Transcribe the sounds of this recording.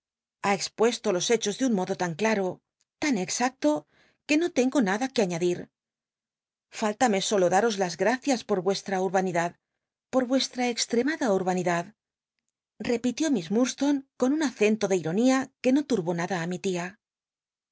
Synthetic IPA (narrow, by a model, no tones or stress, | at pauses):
ae̞kspwe̞st̪o̞lo̞se̞t͡ʃo̞zðunmo̞ðo̞t̪aŋklaɾo̞ | t̪ane̞ksak̚t̪o̞ | ke̞no̞t̪e̞ŋɡo̞naðakeaɲaðiɾ | falt̪ame̞so̞lo̞ðaɾo̞zlazɣɾaθjaspo̞ɾβwe̞st̪ɾauɾβaniðað | po̞ɾβwe̞st̪ɾaekst̪ɾe̞maðauɾβaniðað | re̞pit̪jo̞mizmuɾst̪o̞ŋko̞nunaθe̞nt̪o̞ðeiɾo̞niake̞no̞t̪uɾβo̞naðaːmit̪ia